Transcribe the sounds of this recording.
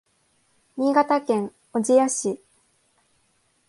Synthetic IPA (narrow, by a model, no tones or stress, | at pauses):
mʲiːɡat̪akẽ̞ŋ | od͡ʑijaɕi